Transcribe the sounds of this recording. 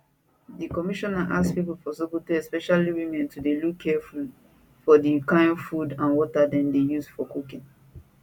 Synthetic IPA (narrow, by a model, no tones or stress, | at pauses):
dikɔmiʃɔnaʔaspipul̩pʰɔsibultiɛspɛʃaliwimɛ̃ntʰudelukʰɛfud | fɔdikãɪ̃nfudãnwɔtadɛ̃ndejuzfɔkukĩn